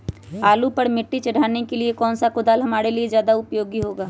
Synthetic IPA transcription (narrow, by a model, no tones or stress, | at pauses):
aːlupɐɾmɪʈːit͡ʃɐɽ̤aːnekeliekɔːnsakʊd̪aːlɦɐmaːɾeliezjaːd̪aʊpjoːɡiɦoːɡaː